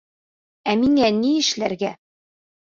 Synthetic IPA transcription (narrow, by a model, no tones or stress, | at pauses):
æmiŋæniɘ̆ʃlæɾɡæ